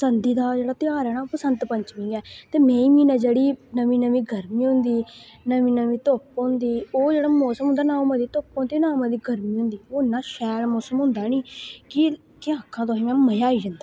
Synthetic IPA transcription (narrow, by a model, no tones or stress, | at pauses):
sənd̪iːd̪aːd͡ʒeːɽaːt̪ɪjaːɾɛːnaːoːpəsənt̪pəɲt͡ʃmĩːɡɛːt̪eːmɛ̃ːĩːmĩːnãːd͡ʒeːɽiːnəmĩːnəmĩːɡʱəɾmiːɦʊ̃nd̪iːnəʋĩːnəʋĩːt̪oːpːʊnd̪iːoːd͡ʒeːɽaːmoːsəmɦʊ̃nd̪aːnãːmãːd̪iːt̪oːpõnd̪inãːmãːd̪iːɡʱəɾmĩːɦʊ̃nd̪iːoːnːãːʃɛːlmoːsəmɦʊ̃nd̪aːniːkɪ | kɪãːkʰːãːt̪̬oɦĩmɛ̃ːməjaːiːd͡ʒãnd̪aː